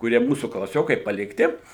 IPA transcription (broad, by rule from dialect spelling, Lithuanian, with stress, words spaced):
kʊˈrʲiɛ ˈmuːsuː klˠɐˈsʲoːkɐɪ pɐlʲɪkˈtʲɪ